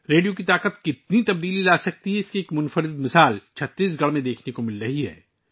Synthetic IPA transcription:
ɾeːɖijokit̪aːqət̪kɪt̪̚nit̪ɐb̚d̪iːlilaːsɐk̚t̪iɦɛɪskieːkmʊnfəɾɪd̪mɪsaːlt͡ʃʰɐt̪ːiːs̬ɡɐɭmẽd̪eːkʰnekomɪlɾɐɦiɦɛ̰ː

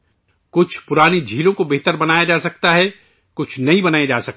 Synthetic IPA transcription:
kʊt͡ʃʰpʊɾaːnid͡ʒʱiːlõkobeɦt̪əɾbɐnaːjad͡ʒaːsɐk̚t̪aɦɛ | kʊt͡ʃʰnɐɦĩbɐnaːed͡ʒaːsɐk̚

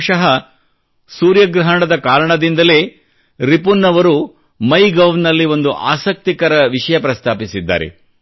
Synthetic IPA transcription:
ʂɐɦɐ | suːɾjɐɡɾɐɦɐɳɐd̪ɐkaːɾɐɳɐd̪ind̪ɐle̞ː | ɾipunːɐʋɐɾu | mɐjɡɐʋnɐlːiʋo̞nd̪uʔa̰ːsɐk̚t̪ikɐɾɐʋiʂɐjɐpɾɐst̪ʰaːpisid̪ːa̰ːɾḛ

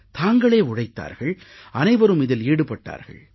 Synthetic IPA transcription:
t̪aːŋɡɐɭeːʊɻɐɪt̪ːa̰ːɾɣɐɭ | ɐnɐɪʋɐɾɯmɪðɪleːɽɯpɐʈːa̰ːɾɣɐ̰ɭ

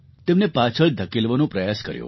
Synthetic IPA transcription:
t̪emnepat͡ʃʰəɭd̪ʱəkilʋənũpɾəjaskə̰ɾjṵ̃

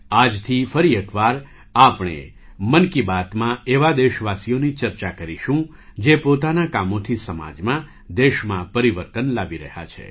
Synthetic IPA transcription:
ad͡ʒt̪ʰifəɾiekʋaɾ | apɳ̃ḛ | mənkibat̪mãeʋad̪eʃʋasijonit͡ʃəɾt͡ʃakəɾiʃũ | d͡ʒepot̪anakamot̪ʰisəma̰d͡ʒmã | d̪eʃmãpəɾiʋəɾt̪ənlaʋiɾə̰ɦja̰t͡ʃʰḛ

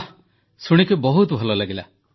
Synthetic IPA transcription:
suɽ̃ikubɔɦut̪ɔbʱɔlɔlaɡila

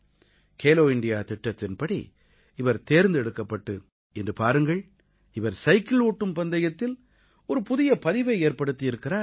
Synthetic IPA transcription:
kʰeːloːɪɳɖɪjaːt̪ɪʈːɐt̪ːɪnpɐɽḭ | ɪʋɐɾt̪eːɾnd̪ɛɽɯkːɐpːɐʈːɯ | ɛndrɯpaːɾɯŋɡɐɭ | ɪʋɐɾsɐɪkɪɭoːʈːɯmpɐnd̪ɐjɐt̪ːɪl | ɔɾɯpʊðɪjɐpɐðɪʋɐɪeːɾpɐɽɯt̪ːɪjɪɾɯkːɪraː

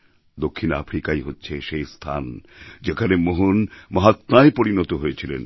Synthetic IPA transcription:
d̪okʰːina̰fɾikajɦotːɕʰeʃejst̪ʰa̰nd͡ʑekʰanemoɦunmɔɦat̪maepoɾinɔt̪oɦojet͡ɕʰilḛn

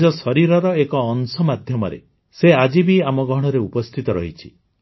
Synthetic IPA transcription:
d͡ʒɔsɔɾiɾɔɾɔekɔːnsɔmad̪ʱjɔmɔɾḛ | sead͡ʒibiamɔɡʱɔɽ̃ɔɾeupɔst̪ʰit̪ɔɾɔ̰ɦit͡ʃʰi̥

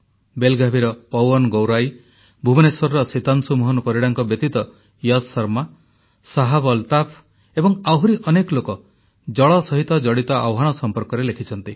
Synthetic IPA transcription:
belɡabʱiɾɔpɔwɔnɡowɾaj | bʱubɔneswɔɾɾɔsit̪ansumɔɦɔnɔpɔɾiɽaŋkɔbjɔt̪it̪ɔ | jad̪sɔɾma | saɦabɔlt̪apʰ | ebɔŋaɦuɾiʔɔnekɔlokɔ | d͡ʒɔɭɔsɔɦit̪ɔd͡ʒɔɽit̪ɔawɦanɔsɔmpɔɾkɔɾelekʰit͡ʃʰɔnt̪i

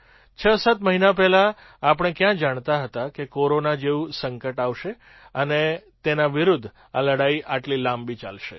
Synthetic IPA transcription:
t͡ʃʰəsət̪məɦinap̬ɛlaː | pɽ̃ẽkjãd͡ʒaɳ̃t̪aɦət̪akekoɾonad͡ʒeʋũsəŋkəʈaʋʃe | ənet̪enaʋɪɾud̪ʱ | a̰ləɽaiʔaʈlilãmbit͡ʃa̰lʃḛ

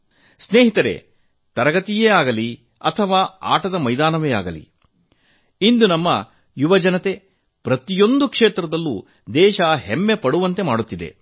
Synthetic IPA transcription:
sneːɦit̪ɐɾḛ | t̪ɐɾɐɡɐt̪ijeːaːɡɐli | ɐt̪ʰɐʋaːa̰ːʈɐd̪ɐmɐjd̪aːnɐʋeːa̰ːɡɐlḭ | ind̪unɐmːɐ | juʋɐd͡ʒɐnɐt̪e̞ | pɾɐt̪ijo̞nd̪ukʂeːt̪ɾɐd̪ɐlːu | d̪ɛːʃɐɦemːe̞pɐɽuʋɐnt̪e̞maːɽut̪ːid̪e̞̰

